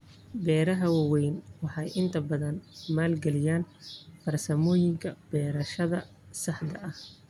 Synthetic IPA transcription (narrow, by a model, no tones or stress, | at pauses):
bɛːɾɐɦɐwɑwɛjnwɑħɑjʔɪnt̪ʰɐbɐðɐnmaːlɡɛlɪjaːnb̥ɐrsɐmɔːjɪŋkʰɐb̥ɛːɾɐʃɐðɐ | sɑħd̪ɐʔɐh